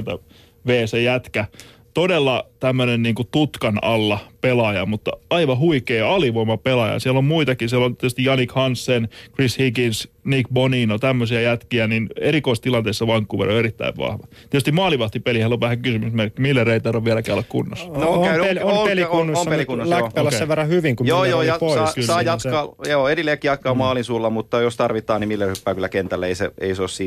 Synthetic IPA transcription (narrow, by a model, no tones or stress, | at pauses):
t̪æ̰ | ʋeːsejæt̪kæ | t̪odelːɑt̪æmːønenniːŋkut̪ut̪kɑnɑlːɑpelɑjɑ̰mut̪ːɑ̰ɑiʋɑhuikeːɑliʋoimɑpelɑjɑ̰sielommuit̪ɑkisielont̪iet̪yst̪ijɑnːikhɑnsːenkrishiɡinsnikboninot̪æmːøsiɑjæt̪kiænineɾikoist̪ilɑnt̪eˑisːɑʋɑŋkːuːʋḛro̰eɾit̪ːæ̰iʋʋɑ̰hʋɑt̪iet̪yst̪imɑːliʋɑht̪ipelihælːoʋæhækysymysmerkːimilːereit̪ɑroʋʋielækæylːækkṵnːo̰snoelompelikunːosompelikunːoslæpælːɑsseʋerɑhyʋiŋkumjoːjoːjɑoɑkylːsɑːjɑtkɑjoːedileːkːijɑt̪̚kɑːmɑːlinsuːlːɑmut̪ːɑjost̪ɑrʋit̪ːˑɑːnimilːerhypːæːkylːˑækent̪ælːæeiseḛiseossiːt̪